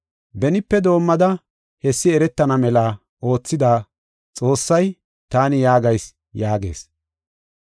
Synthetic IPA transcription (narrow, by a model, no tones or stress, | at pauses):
bɛnɪpːɛd̪o̞ːmːɐd̪ɐ | hɛsːɪɛɾɛt̪ːɐnɐmɛlaː | o̞ːt͡sːɪd̪aː | t͡sʼo̞ːsːɐj | t̪aːnɪjaːɡɐjs | jaːɡe̞̰ːs